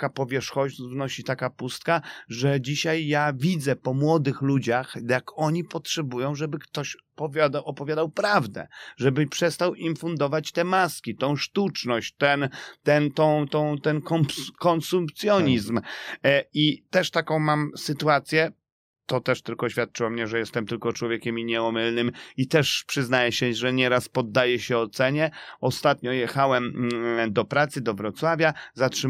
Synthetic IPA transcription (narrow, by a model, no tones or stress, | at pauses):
kapɔvʲjɛʂxɔʑvnɔɕit̪akapust̪kaʐɛd͡ʑiɕajːavʲid̪zɛpɔmwɔd̪ɘxlud͡ʑaxjakɔɲipɔtʂɛbujɔ̃w̃ʐɛbɘkt̪ɔɕ | pɔvʲad̪aʔɔpɔvʲjad̪awpɾavd̪ɛ̰ʐɛbɘpʂɛst̪awʔimfund̪ɔvat͡ɕt̪ɛmaskʲit̪ɔ̃w̃ʂt̪ut͡ʂnɔɕt͡ɕt̪ɛnt̪ɛnt̪ɔ̃w̃t̪ɔ̃w̃t̪ɛnkɔmkɔnsumpt̪sʲjɔɲizm | it̪ɛʂt̪akɔ̃w̃mamsɘt̪uat̪sʲjɛ | t̪ɔt̪ɛʂt̪ɘlkɔɕfʲjat̪̚t͡ʂɘwɔmɲɛʐɛjɛst̪ɛmt̪ɘlkɔt͡ʂwɔvʲjɛkʲɛmiɲɛɔmɘlnɘmit̪ɛʂpʂɘznajɛɕɛʐɛɲɛɾaspɔd̪ːajɛɕɛɔt̪sɛɲɛɔst̪at̪ɲɔjɛxawɛmd̪ɔpɾat̪sɘd̪ɔvɾɔt̪swavʲjazatʂɘ